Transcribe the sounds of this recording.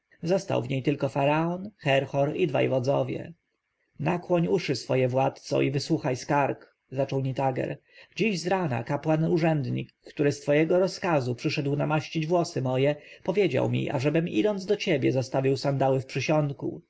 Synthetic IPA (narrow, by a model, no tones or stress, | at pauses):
zɔst̪a̰wvɲejt̪ɘlkɔfaɾaɔnxɛɾxɔɾid̪va̰jvɔd̪zɔvʲjɛ̰ | nakwɔɲuʂɘsfɔjɛvwat̪t̪sɔ̰ivɘswuxajskaɾk | zat͡ʂɔwɲit̪aɡɛ̰ɾ | d͡ʑiʑzɾana̰kapwanuʐɛnd̪ɲḭkːt̪uɾɘst̪fɔjɛɡɔɾɔskazupʂɘʂɛd̪wnamaɕt͡ɕid͡ʑvwɔsɘmɔjɛpɔvʲjed͡ʑa̰wmʲḭʔa̰ʐɛbɘmḭd̪ɔnd̪zd̪ɔt͡ɕebʲjɛzɔst̪avʲiwsand̪awɘfpʂɘɕɔnt̪kṵ